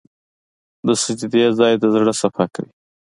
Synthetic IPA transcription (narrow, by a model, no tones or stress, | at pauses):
d̪əsəd͡ʒd̪ezɑjd̪əzɽəsafaka̰wi